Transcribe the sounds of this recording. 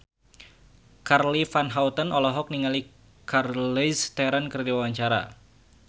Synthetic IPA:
karlifanɦaut̪ənɔlɔɦɔk̚niŋali | kʰarlist̪ɛɾankərdiwawaɲt͡ʃaɾa̰

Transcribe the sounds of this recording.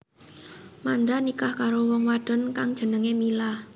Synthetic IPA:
mand̪ɾanikahkaɾowɔŋwad̥ə̤nkaŋd̥ʒ̥ə̤nəŋemilah

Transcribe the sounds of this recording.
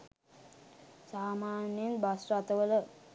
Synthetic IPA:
saːmaːnjenbasrat̪əʋələ

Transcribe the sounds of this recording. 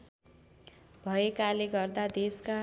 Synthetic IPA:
bʱʌekaleɡʌrd̪ad̪eska

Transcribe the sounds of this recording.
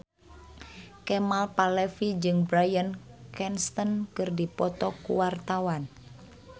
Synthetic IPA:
kɛmalpalɛfid͡ʒɨŋbɾajənkɛnst̪ənkɨrdipɔt̪ɔkṵwart̪awan

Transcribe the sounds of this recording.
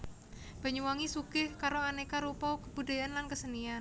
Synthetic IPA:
b̥aɲuwaŋisukɪhkaɾoanekaɾupawkəb̥uda̤jaʔanlankəsənian

